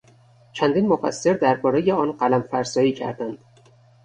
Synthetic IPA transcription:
t͡ʃʰænd̪iːnmofæ̰sːe̞ɾd̪æɾbɒːɾe̞jeɒːnɢælæmfæɾsɒːjiːcʰæ̰ɾd̪ænd̪̥

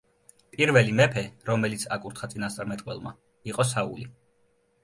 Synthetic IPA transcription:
pʼiɾvɛlimɛpʰɛɾɔmɛlit̪sʰa̰kʼuɾt̪ʰχat̪sʼinast̪sʼaɾmɛt̪ʼqʼwɛ̰lˠma̰ | iqʼɔsaṵli

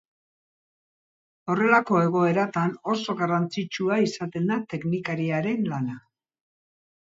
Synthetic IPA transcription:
o̞re̞lako̞e̞ɣ̞o̞e̞ɾat̪ano̞so̞ɣarant͡sit͡ʃuaisat̪e̞nd̪at̪e̞knikaɾiaɾe̞nlana

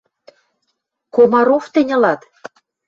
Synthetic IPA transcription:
komɑɾoft̪ɘ̆nʲɤ̆lɑt̪

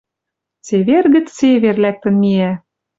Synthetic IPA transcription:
t͡seβerɣə̆t͡sseβerlæk̚t̪ə̆nmiæ

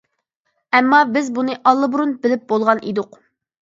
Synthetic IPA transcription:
ɛmːɑbɪzbunɨʔɑlˠːɨbuɾunbɪlɪp̚bolˠʁɑnʔid̪ʊq

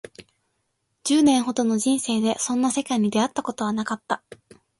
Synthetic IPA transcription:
d͡ʑɨːnẽ̞ɰ̃ɦo̞d̪o̞no̞ʑĩɰ̃se̞ːd̪e̞sõ̞nːase̞kaiɲ̟id̪e̞at̪ːako̞t̪o̞β̞anakat̪ːa

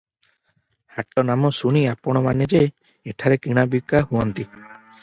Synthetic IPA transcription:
haʈɔnamɔsuɽ̃iapɔɽ̃ɔmaned͡ʒe | eʈʰaɾekiɽ̃abikːahuɔnt̪i

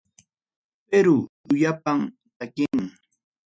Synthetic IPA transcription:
peɾʊ | ʊjapam | t̪akɪŋ

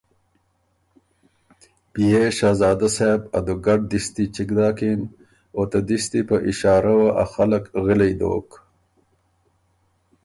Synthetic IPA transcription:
pijeʃaːzɑːd̪asebɐ̰d̪uɡɐɖ̚d̪ist̪it͡ʃikd̪aːkin | ot̪ad̪ist̪ipɐʔiʃɑːɾawaʔaxalɐkɣilejd̪o̰ːk

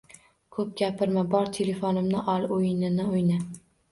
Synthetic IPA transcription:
kʰɵp̚ɡʲapʰɪɾmabɒɾt̪ʰele̞fonɪmnɪʔɒlˠojɪnɪnɪojna

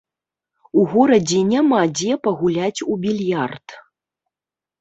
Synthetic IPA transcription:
uɣɔɾɐd͡zʲɛnʲamad͡zʲɛpɐɣulʲat͡sʲubʲilʲjart̪

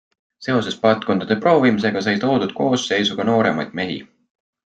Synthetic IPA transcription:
se̞o̞se̞spɑlt̪̚ˑko̞nd̪̥ɑd̪e̞pro̞ːvimis̬e̞ɡ̥ɑsɑjt̪o̞ːd̪̥ud̪̥̚ko̞ːsːe̞jsuɡ̥ɑno̞ːɾe̞̰mɑjd̪̥̚me̞ɦḭ

